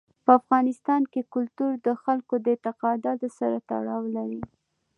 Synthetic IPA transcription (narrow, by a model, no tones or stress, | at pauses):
pəafɣɑnɪst̪ɑnkekʊlt̪uɾd̪əxalkod̪əɪt̪ɪqɑd̪ɑd̪əsaɾat̪a̰ɽɑwlaɾi